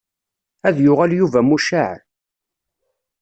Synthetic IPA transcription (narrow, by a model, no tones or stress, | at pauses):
æðjʊʁæljuvæmuʃaʕ